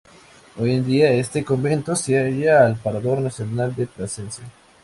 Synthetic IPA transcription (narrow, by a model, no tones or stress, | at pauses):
o̞jend̪iae̞st̪e̞ko̞mbe̞nt̪o̞seaʝaːlpaɾaðo̞ɾnasjo̞nald̪epɾasensja